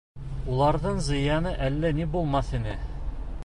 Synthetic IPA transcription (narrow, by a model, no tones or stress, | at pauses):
ulˠɑɾðɤɴzɤ̆jɑnɤʔælːænibulˠmɑθinɘ